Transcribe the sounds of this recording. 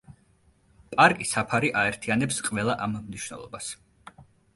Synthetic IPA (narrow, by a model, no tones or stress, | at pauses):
pʼaɾkʼisapʰaɾiʔaɛɾt̪ʰianɛpsqʼvɛlˠaʔammniʃwnɛ̰lˠɔ̰bas